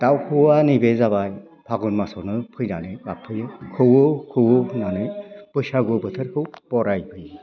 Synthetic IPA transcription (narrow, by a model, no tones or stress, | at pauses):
t̪awkʰɯwanibezaβaj | pʰaɡunmasɔnɯpʰɯjnanɯbapʰɯjɯkʰɯwɯkʰɯwɯnanɯjpɯsaɡɯbɯt̪ʰɯɾkʰɯwb̥ɔɾajpʰɯj